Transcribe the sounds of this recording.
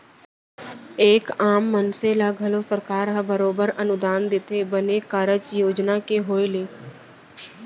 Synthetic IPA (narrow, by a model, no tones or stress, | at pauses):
eːkaːmːənselaɡʱɐlosəɾkaːɾɦãbəɾoːbəɾɐnʊd̪aːnd̪ɪt̪ebənekaːɾət͡ʃjoːd͡ʒnakeɦoːeleː